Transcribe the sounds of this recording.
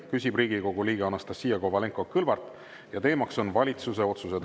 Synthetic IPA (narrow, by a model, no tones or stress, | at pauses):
kysʲibriːɡiko̞ɡ̥uliːɡ̥eɑnɑst̪ɑsːiːɑkovɑle̞ŋkːˑo̞kɯlvɑrt̪ˑ | jɑt̪e̞ːmɑkso̞nvɑlʲit̪suse̞o̞t̪suse̞d̪